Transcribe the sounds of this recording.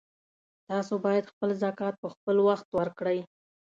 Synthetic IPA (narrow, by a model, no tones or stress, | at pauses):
t̪ɑsobɑjad̪xpəlzakɑt̪̚pəxpəlwaxt̪waɾkɽəj